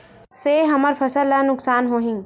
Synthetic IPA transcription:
seɦɐməɾfɐsəlːanʊksaːnɦoːɦĩː

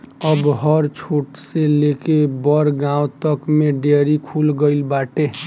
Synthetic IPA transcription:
əbɦəɾt͡ʃʰoʈselekebəɾɡãw̃t̪əkmeɖeɾikʰulɡəɪlbaʈe

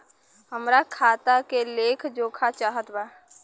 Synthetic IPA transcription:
ɦəmɾakʰaːt̪akeleːkʰd͡ʒoːkʰat͡ʃaːɦət̪baː

